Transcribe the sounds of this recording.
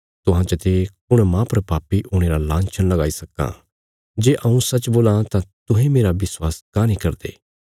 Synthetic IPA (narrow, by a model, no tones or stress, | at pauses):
t̪ʊɦãːt͡ʃət̪eːkʊɽ̃mãːpɐɾpaːpːiʔʊːɽ̃eːɾalãːnt͡ʃʰənlɐɡaːisɐkːã̰ː | d͡ʒeːʔɐũsɐt͡ʃboːlãt̪ãt̪ʊɦẽmeːɾaʋɪswaːskãːnĩkɐɾd̪ḛː